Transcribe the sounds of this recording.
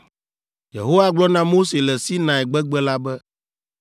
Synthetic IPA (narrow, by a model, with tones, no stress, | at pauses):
jḛ˨ɦo˦wa˦ɡ͡blɔ˦nã˦mo˦se˨lɛ˨si˦nã˨ɛ˨ɡ͡bɛ˦ɡ͡bɛ˦la˦bɛ˦